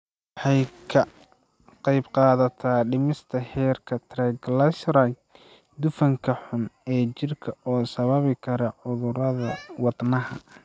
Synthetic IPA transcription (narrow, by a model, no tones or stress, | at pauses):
wħɑjkʰɐ | qɑjbqɑːðɐt̪ʰaːɖɪmɪst̪ʰɐhɛːrkʰɐt̪ʰrɛɡlɐsɾa | d̪ʊfɐŋkʰɐħʊnɛːt͡ʃɪrkʰɐɔːsɐβɐβɪkʰɐɾɐʕʊðʊɾɐðɐwɑd̪nɐɦɐ̰